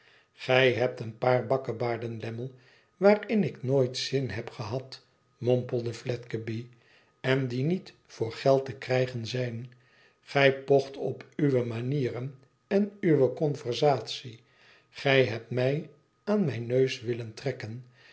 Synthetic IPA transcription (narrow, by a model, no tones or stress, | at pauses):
χɛjɦɛp̚tənpaːrbɑkəbaːɹdənlɛməlˠ | ʋaːrɪnɪknoːjtsɪnɦɛpχəɦɑt | mɔmpəl̩ˠdəflɛtkəbi | ɛndinit | fʊːɹχɛlˠtəkrɛjχənzɛjn | χɛjpɔχtɔpyʋəmaniːrən | ɛnyʋəkɔnvəɹzaːtsi | χɛjɦɛp̚tmɛj | aːnmɛjnøɥsʋɪləntrɛkən